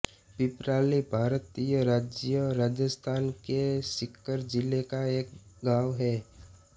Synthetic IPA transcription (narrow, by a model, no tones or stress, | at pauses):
pɪpɾaːlibʱaːɾət̪ijəɾaːd͡ʒijəɾaːd͡ʒəst̪ʰaːnkesɪkːəɾd͡ʒɪlekaeːk̚ɡaːʋɦɛː